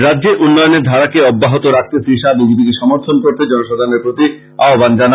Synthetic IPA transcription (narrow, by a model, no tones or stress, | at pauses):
ɾadːʑeɾʔunːɔjoneɾd̪ʱaɾakeɔbːaɦot̪oɾak̚ʰt̪esiʃab̪id͡ʑit̪ik̪eʃɔmoɾt̪ʰonkoɾt̪ed͡ʑɔnoʃad̪ʱaneɾpɾot̪i | aɦoband͡ʑana